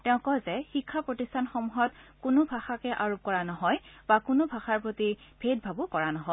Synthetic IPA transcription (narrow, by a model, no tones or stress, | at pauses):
tɛʊ̃kɔzɛxikʰːapɹotistʰanxɔmuɦɔtkʊnʊbʱaxakɛʔaɹop̚kɔɹanɔɦɔjb̥akʊnʊbʱaxaɹpɹotibʱet̚bʱabʊkɔɹanɔɦɔ